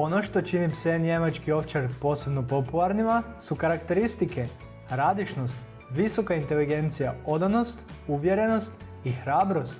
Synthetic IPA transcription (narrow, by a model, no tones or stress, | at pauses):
o̞no̞ʃt̪ot͡ʃinipsenɲemat͡ʃkio̞ft͡ʃeɾpo̞ːse̞bno̞po̞pulˠaɾnimasukaɾakt̪e̞ɾist̪ike | ɾad̪iʃno̞st̪ | ʋiso̞kaint̪e̞liɡe̞nt̪sijao̞d̪ano̞st̪ | uʋje̞ɾe̞no̞st̪ | ixɾaːbɾo̞st̪